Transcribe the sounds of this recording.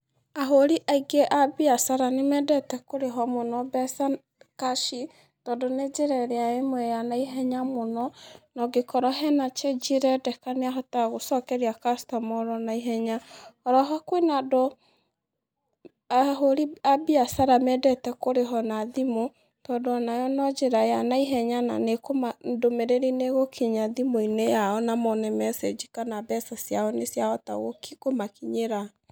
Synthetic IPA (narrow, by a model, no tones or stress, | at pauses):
aɦoɾiʔaiɡeʔabiasaɾanemɛdɛtɛkoɾeɦɔmonɔbɛsa | kaʃi | tɔdoned͡ʒeɾɛɾɛaemwɛjanaiɦɛɲamonɔnɔɡekɔɾɔɦɛnat͡ʃed͡ʒiɾɛdɛkaneaɦɔtaɣosɔkɛɾiakastɔmɔɾɔnaiɦɛɲaɔɾɔɦakwenado | aɦoɾiabiasaɾamɛdɛtɛkoɾeɦɔnaðimo | tɔdoɔnajɔnɔd͡ʒeɾajanaiɦɛɲana̰nekomadomeɾeɾineɣokʰiɲaðimoinejaɔnamɔnɛmɛsed͡ʒikanabɛsasjaɔnesjaɔta̰ɣokikomakiɲeɾa